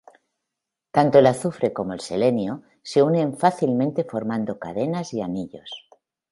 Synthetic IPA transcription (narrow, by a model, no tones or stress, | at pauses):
t̪ant̪oelaθufɾe̞ko̞mo̞elsele̞njo | se̞unẽ̞ɱfaθilmẽnt̪e̞fo̞ɾmãnd̪o̞ka̰ðe̞nazianiʎo̞s